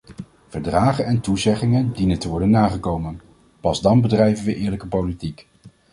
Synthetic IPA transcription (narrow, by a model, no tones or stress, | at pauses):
v̥əɹdraːχənɛntuzɛχɪŋəndinəntəʋɔɹdənːaːχəkowmən | pɑzdɑnbədrɛjvənʋəʔɪːɹləkəpowlitik